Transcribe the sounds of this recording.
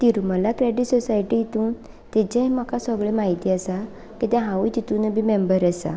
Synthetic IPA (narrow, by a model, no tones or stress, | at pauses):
t̪iɾməlakɾeɖiʈsɔsajʈijit̪ũːn | t̪et͡ɕẽməkasəɡɭemaɦit̪iːasa | kit̪jãɦãʋujt̪it̪ũnəbimembəɾəsa̰